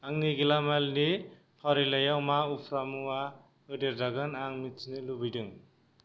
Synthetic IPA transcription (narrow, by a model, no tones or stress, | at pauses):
aŋniɡilamalni | pʰɔɾilajawmaupʰɾamuwa | ɯdeɾdaɡɯnaŋmit͡ʃnɯlubijdɯŋ